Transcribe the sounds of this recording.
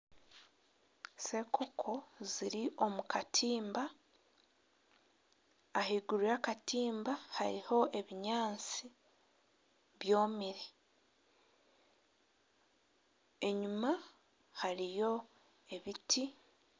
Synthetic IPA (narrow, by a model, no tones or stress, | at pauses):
se̞kʰokʰo̞ziɾiʔo̞mukatʰiːmba | ɦiɡuɾujakatiːmbahaɾiho̞ʔe̞βiɲaːnt͡si | βjo̞ːmiɾi | e̞ɲuma | haɾijo̞ | e̞βitʰi